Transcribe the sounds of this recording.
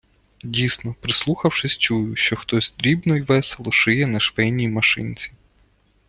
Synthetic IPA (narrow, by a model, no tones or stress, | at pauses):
dʲijsnɔpɾɪslˠuxɐwʂɪsʲt͡ʃujʊʃt͡ʃɔxt̪ɔsʲd̪ɾʲibnɔjʋɛselˠɔʃɪjɛnɐʃʋɛjnʲijmɐʃɪ̰nʲt͡sʲi